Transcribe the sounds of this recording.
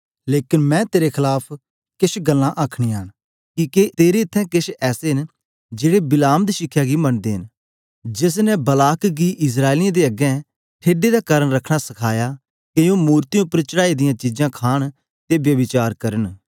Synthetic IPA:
leːkɪnmɛ̃ːt̪eːɾekʰɪlaːpʰ | kɪʃɡəlːãʔaːkʰɽ̃ĩːaːn | kiket̪eːɾeɪt̪ʰːɛ̃ːkɪʃɛːseɦɪn | d͡ʒeːɽebɪlaːmd̪iʃɪkʰjaːɡimɐnd̪eːɦɪn | d͡ʒɪs̬nɛbəlaːkɡiʔɪs̬ɾaːɪlɪjãd̪eːɐɡɛ̃ | ʈʰeːɖed̪akaːɾəɳɾɐkʰɽ̃asɐkʰaːjaː | kejõmuːɾt̪ijõːpːəɾt͡ʃəɽaːid̪ɪjãːt͡ʃid͡ʒãːkʰaːɽ̃ | t̪ebjəbɪt͡ʃaːɾkɐɾən

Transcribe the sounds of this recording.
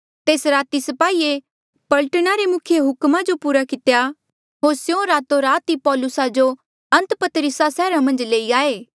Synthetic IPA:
t̪eːsɾaːt̪isɐpaːiːe | pɐlʈnaɾemʊkʰjeɦʊkmad͡ʒopuːɾakɪt̪eja | ɦoːɾsjõɾaːt̪oɾaːt̪ipɔːlʊsad͡ʒo | ɐ̃nt̪pɐt̪ɾɪsasɛːɾamɐ̃nd͡ʒleːiaːeː

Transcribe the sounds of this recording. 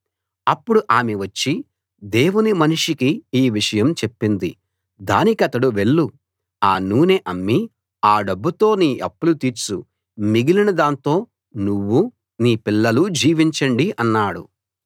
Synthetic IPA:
ɐpːuɽuʔaːmeʋɐt͡ʃːi | d̪e̞ːwunimɐnuʂikiiːʋiʂɐjɐmt͡ʃe̞pːind̪ḭ | d̪a̰ːnikɐt̪ɐɽuʋe̞ɭːu | aːnuːneʔɐmːi | aːɖɐbːut̪o̞ːniːʔɐpːulut̪iːɾt͡ʃu | miɡilinɐd̪aːnt̪o̞ː | nuʋːu | niːpilːɐlud͡ʒiːʋiɲt͡ʃɐɳɖiʔɐnːaːɽṵ

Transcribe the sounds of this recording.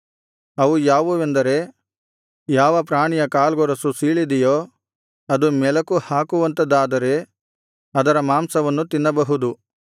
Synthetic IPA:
ɐʋujaːʋuʋend̪ɐɾe̞ | jaːʋɐpɾaːɳijɐkaːlɡɔɾɐsusiːɭid̪ɛjoː | ɐd̪umɛlɐkuhaːkuʋɐnt̪ɐd̪aːd̪ɐɾe̞ | ɐd̪ɐɾɐmaːmsɐʋɐnːut̪inːɐbɐɦud̪u

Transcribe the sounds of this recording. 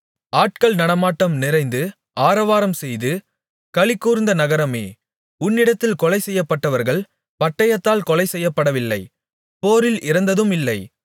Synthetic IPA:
aːʈ̚kɐɭnɐɽɐmaːʈːɐmnɪɾɐɪnd̪ɯ | aːɾɐʋaːɾɐmsɛjðɯ | kɐɭɪkːuːɾɪnd̪ɐnɐɣɐɾɐmeː | ʊnːɪɽɐt̪ːɪlkɔlɐɪsɛjːɐpːɐʈːɐʋɐɾɣɐɭ | pɐʈːɐjɐt̪ːaːlkɔlɐɪsɛjːɐpːɐɽɐʋɪlːɐɪ | poːɾɪlʔɪɾɐnd̪ɐðɯmɪlːɐɪ

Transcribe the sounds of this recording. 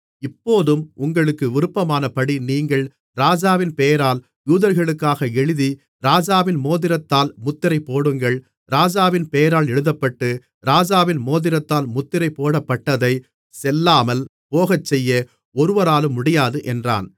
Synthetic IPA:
ɪpːoːðɯmʊŋɡɐɭɯkːɯʋɪɾɯpːɐmaːnɐpɐɽiniːŋɡɐɭ | ɾaːd͡ʒaːʋɪnpejɐɾaːl | juːðɐɾɣɐɭɯkːaːɣɐɛɻɯði | ɾaːd͡ʒaːʋɪnmoːðɪɾɐt̪ːaːlmʊt̪ːɪɾɐɪpːoːɽɯŋɡɐɭ | ɾaːd͡ʒaːʋɪnpeːjɐɾaːlɛɻɯðɐpːɐʈːɯ | ɾaːd͡ʒaːʋɪnmoːðɪɾɐt̪ːaːlmʊt̪ːɪɾɐɪpːoːɽɐpːɐʈːɐðɐɪ | sɛlːaːmɐl | poːɣɐt͡ʃːɛjːɐ | ɔɾɯʋɐɾaːlɯmːʊɽɐjaːðɯʔɛndra̰ːn

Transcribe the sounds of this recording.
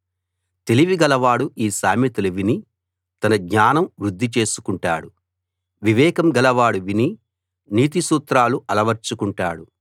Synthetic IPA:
t̪e̞liʋiɡɐlɐʋaːɽuʔiːsaːmit̪ulɐʋini | t̪ɐnɐɡɲaːnɐmʋɾud̪ʱːit͡ʃe̞ːsu̥kuɳʈa̰ːɽu | ʋiʋɛːkɐmɡɐlɐʋaːɽuʋini | niːt̪isuːt̪ɾaːluʔɐlɐʋɐɾt͡ʃukuɳʈaːɽu

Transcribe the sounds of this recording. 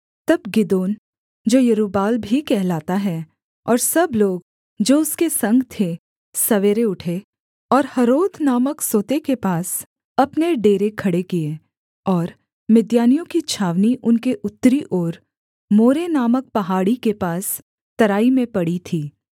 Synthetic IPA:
t̪ɐbɡɪd̪oːn | d͡ʒoːjɐɾuːbaːlbʱikɛɦlaːt̪aɦɛ | ɔːɾsɐbloːɡ̚ | d͡ʒoːʊskesɐ̃ŋɡʱt̪ʰe | sɐʋeːɾeʊʈʰe | ɔːɾhɐɾoːd̪ʰʱnaːməksoːt̪ekepaːs | ɐpneɖeːɾekʰɐɽekie | ɔːɾ | mɪd̪jaːnijõkit͡ʃʰaːʋniʔʊnkeʔʊt̪ːɾiʔɔːɾ | moːɾenaːmək̚pɐɦaːɽikepaːs | t̪ɐɾaːimẽpɐɽit̪ʰiː

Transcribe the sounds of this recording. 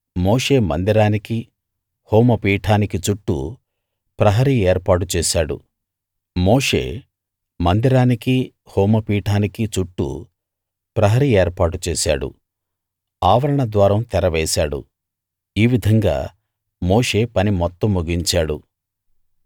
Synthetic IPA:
mo̞ːʂe̞ːmɐ̰nd̪iɾaːniki | hoːmɐpiːʈʰaːnikit͡ʃuʈːṵ | pɾɐɦɐɾieːɾpaːʈ̬ut͡ʃɛːʃaːɽṵ | mo̞ːʂe̞̰ː | mɐnd̪iɾaːniki | hoːmɐpiːʈʰaːnikit͡ʃuʈːṵ | pɾɐɦɐɾieːɾpaːʈut͡ʃɛːʃaːɽṵ | aːʋɐɾɐɳɐd̪ʋaːɾɐmt̪ɛɾɐʋɛːsaːɽṵ | iːʋid̪ʱɐŋɡa̰ː | mo̞ːʂe̞ːpɐnimɔt̪ːɐmːuɡiɲt͡ʃaːɽṵ

